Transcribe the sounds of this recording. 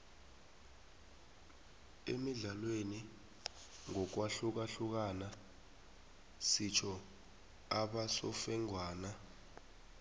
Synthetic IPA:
emiɮalweni | ŋɔk̬waɬuk̬aɬuk̬ana | sit͡ʃʰɔ | aɓasɔfɛŋwaːna

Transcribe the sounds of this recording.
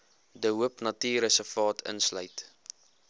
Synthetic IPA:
dəɦuəpnɐtiːɾəsəfɑːtʰə̰nslœ̰ɥt

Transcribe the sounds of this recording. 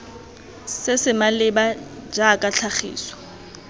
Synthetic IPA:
sɪsɪmalɪbad͡ʒaːkʼaɬʰaχḭːswɔ̥

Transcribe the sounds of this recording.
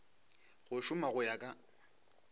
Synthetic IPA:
ɣʊʃʊmaɣʊjakʼa

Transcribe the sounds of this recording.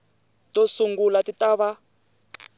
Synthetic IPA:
tʼosuŋɡulatʼitʼaβa

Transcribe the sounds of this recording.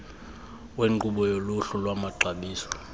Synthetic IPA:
weŋ͡ǃuɓɔjoluɬulwamaɡ͡ǀʱaɓiːsɔ̥

